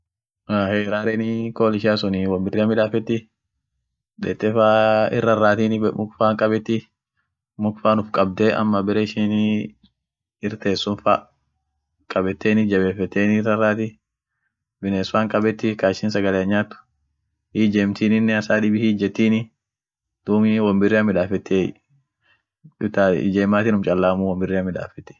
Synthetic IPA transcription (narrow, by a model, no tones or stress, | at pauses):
aheːɾaːɾɛnɪkoːlɪʃɪaːsʊniwɐmbɪrːɪɐmɪᶑaːfɛt̪ːɪ | ᶑɛ̰t̪ːɛfaːɪ̰rːɐrːaːt̪iːnɪmʊkfaːŋkʼɐbɛt̪ːɪ | mʊkfaːnʊfkʼɐb̚d̪ɛʔɐ̰mːɐbɪɾeːʃiːn | ɪɾt̪eːsːʊnfaː | kʼɐbɛt̪ːeːnɪd͡ʒɐbeːfɛt̪ːeːnɪrɐrːaːt̪ɪ | bɪneːsʊwaːŋkʼɐbɛt̪ːɪkaːʃɪnsɐɡɐleɐɲːaːt̪ːʊ̥ | hiːd͡ʒeːmt̪iːnɪnːɛɐsaːᶑɪbɪhiːd͡ʒɛt̪ːiːnɪ | d̪̥uːmɪwɐmbɪrːɪɐmːɪᶑaːfɛt̪ʰːe | ɪt̪a̰d͡ʒeːmaːt̪ɪnʊmt͡ʃʼɐlːaːmuːwɐmbɪrːɛɐmɪᶑa̰ːfɛt̪ːɛ̥